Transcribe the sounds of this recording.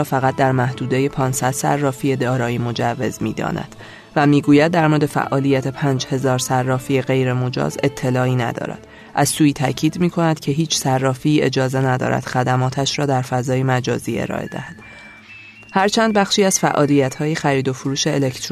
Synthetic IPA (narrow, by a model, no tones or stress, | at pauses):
fæɣæt̪̚ʰd̪æɾmæhd̪uːd̪e̞jepʰɒːnsæd̪̥sæ̰rːɒːfije̞d̪ɒːɾɒːjimo̞d͡ʒævːe̞zmiːd̪ɒ̰ːnæ̰d̪̥ | væmiːɡuːjæd̪̚ːæɾmod̪e̞fæ̰ʔɒːlijæt̪ʰe̞pʰæːnd͡ʒhe̞zɒːɾsærːɒːfijeɣe̞jɾe̞mo̞d͡ʒɒ̰ːze̞t̪ʰːe̞lɒːiːnæ̰d̪ɒ̰ːɾæ̰d̪̥ | ʔæzsuːjt̪ʰæcʰiːd̪miːkʰo̞næd̪̥cʰe̞ɦiːt͡ʃʰsærːɒːfiːe̞d͡ʒɒːze̞næd̪ɒ̰ːɾæ̰d̪̥xæd̪æmɒːt̪ʰæʃɾɒːd̪æɾfæzɒːjemæd͡ʒɒːziːe̞̰ɾɒ̰ːʔe̞̰d̪æ̰hæd̪̥ | hæɾt͡ʃʰænd̪̚bæxʃiːæz̥fæʔɒːlijæt̪ʰhɒːjexæɾiːd̪o̞foɾuːʃe̞ːlekt̪ʰɾ